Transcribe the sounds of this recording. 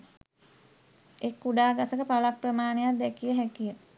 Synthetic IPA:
ekːuɖaːɡasəkəpalapːrəmaːnejat̪̚d̪ɛkijəɦækijə

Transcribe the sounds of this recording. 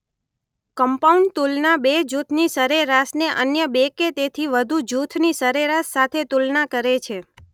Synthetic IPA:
kəmpauɳɖt̪ulnabed͡ʒut̪ʰnisəɾeɾasneʔənjəbeket̪et̪ʰiʋəd̪ʱud͡ʒut̪ʰnisəɾeɾasːat̪ʰet̪ulnakəɾet͡ʃʰe

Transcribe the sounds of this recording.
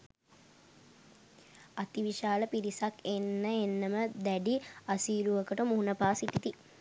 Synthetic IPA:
at̪iʋiʃaːləpiɾisakenːəenːəməd̪æɖiasiːɾuʋəkəʈəmuɦunəpaːsiʈit̪i

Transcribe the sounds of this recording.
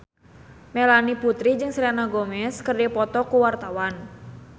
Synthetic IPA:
mɛlaniput̪ɾid͡ʒɨŋsɾianaɡɔmɛskərdapɔt̪ɔkuwart̪awan

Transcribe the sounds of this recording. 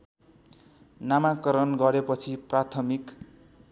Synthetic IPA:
namakʌɾʌnɡʌɾepʌt͡sʰiprat̪ʰʌmik

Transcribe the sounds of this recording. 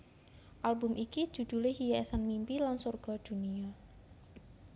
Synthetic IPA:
ʔalbʊmʔiki̥ʒ̥ṳd̪̥ṳlɪhijaɛsanmimpilansɔrɡ̥ɔd̪̥ṳnia

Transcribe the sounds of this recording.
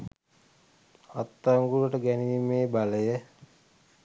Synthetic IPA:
at̪ːaŋɡuɾəʈəɡɛniʋimeːbaləjə

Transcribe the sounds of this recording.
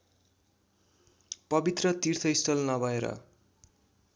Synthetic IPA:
pʌbit̪rʌt̪irt̪ʰʌist̪ʌlnʌbʱʌeɾʌ̰

